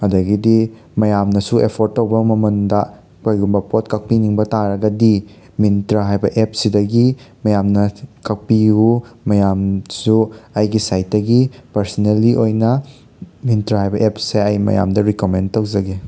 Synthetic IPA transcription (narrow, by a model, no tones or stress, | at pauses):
ɐdɐɡidi | mɐjamnɐsuepʰoɾtːɐwbɐmɐmɐndɐ | pojɡumbɐpotkɐk̚piniŋbɐtaɾɐɡɐdi | mintɾɐɦajbɐʔep̚sidɐɡimɐjamnɐkɐk̚piumɐjamsuɐjɡisajt̚dɐɡipɐɾsɐnelːiʔojnɐ | mintɾɐɦajbɐʔepseɐjmɐ̰ja̰mdɐɾikomentɐwzɐɡe